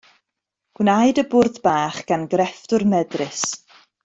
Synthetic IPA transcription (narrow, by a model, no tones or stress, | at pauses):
ɡ̥wnajdəbʊrðbaːχɡ̥anɡrɛftʊrmɛdrɪs